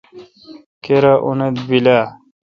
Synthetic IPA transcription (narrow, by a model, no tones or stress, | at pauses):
keɾaʔuned̪bila